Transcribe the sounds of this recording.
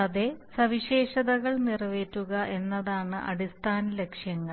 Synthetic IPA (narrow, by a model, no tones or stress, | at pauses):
ɐðesɐʋiɕe̞ːʂɐðɐɣɐɭnirɐʋe̞ːtːuɣɐʔe̞nːɐðaːɳɨʔɐ̰ɽist̪ʰaːnɐle̞kʂjɐŋːɐ